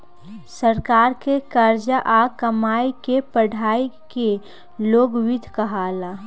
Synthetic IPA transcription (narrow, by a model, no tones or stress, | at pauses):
səɾkaːɾkekəɾd͡ʒaʔakəmaːjkepəɽʱaːike | loːɡwɪd̪ʱkɐɦaːla